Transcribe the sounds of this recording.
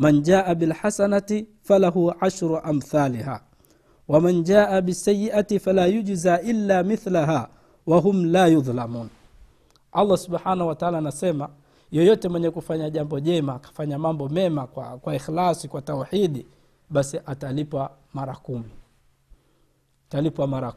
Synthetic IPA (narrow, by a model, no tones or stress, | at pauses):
mand͡ʒaːʔaɓilħasanatifalaɦuʕaʃɾuʔamθaːliha̰ː | wamand͡ʒaːʔaɓisːajːiʔatifalaːjud͡ʒzaʔilːaːmiθlaɦaː | waɦumlaːjuðˤlamuːn | ʔalˤːasuɓħaːnahuwataaːlaːnasɛma | jɔjɔtɛmwɛɲɛkufaɲaʄambɔʄɛmaːkḁfaɲamambɔmɛmaakwaixlasikwatawħiɗi | ɓasiʔatalipwa | maɾakumi | talipwamaɾa